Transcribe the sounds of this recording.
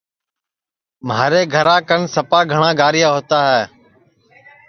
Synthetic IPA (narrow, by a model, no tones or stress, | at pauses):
maːɾeːɡʱəɾãːkəɳsəpaːɡʱəɳãːɡaːɾɪjaːɦoːt̪aːɦɛː